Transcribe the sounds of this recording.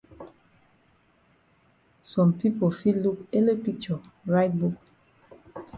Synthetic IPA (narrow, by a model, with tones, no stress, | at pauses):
sɔ̃˨mpi˦pofi˦lu˦ke˦ləpi˦k̚t͡ʃɔɹaɪt̚buk